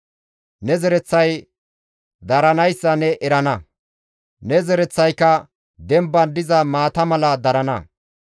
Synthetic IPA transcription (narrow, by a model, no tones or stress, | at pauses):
nɛzɛɾɛt͡sːɐj | d̪ɐɾɐnɐjsːɐnɛʔɛɾɐnɐ | nɛzɛɾɛt͡sːɐjkːɐ | d̪ɛmbːɐnd̪ɪzɐmaːt̪ɐmɐlɐd̪ɐɾɐnɐ̰